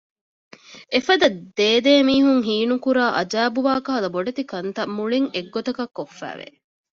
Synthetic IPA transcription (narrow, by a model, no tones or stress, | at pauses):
efɐd̪ɐd̪eːd̪eːmiːɦuŋɦiːnukuɾaːʔɐd͡ʒæːbuʋaːkɐɦɐlɐboɖet̪ikɐnt̪ɐmːuɭiŋeɡːot̪ɐkɐkːofːæ̰ːʋḛ